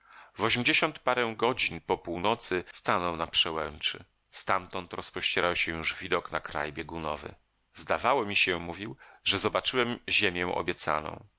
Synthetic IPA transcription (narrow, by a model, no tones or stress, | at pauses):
vɔɕemʲd͡ʑeɕɔnt̪paɾɛ̃ɡɔd͡ʑinpɔpuwnɔt̪sɘst̪anɔwnapʂɛwɛnt͡ʂɘ̰ | st̪amt̪ɔnt̪ɾɔspɔɕt͡ɕɛɾawɕɛ̃juʐvʲid̪ɔkna̰kɾa̰jbʲjeɡunɔvɘ̰ | zd̪avawɔmʲiɕɛmuvʲiwʐɛzɔbat͡ʂɘwɛmʑemʲjɛ̃ʔɔ̰bʲjɛt̪sa̰nɔ̰̃w̃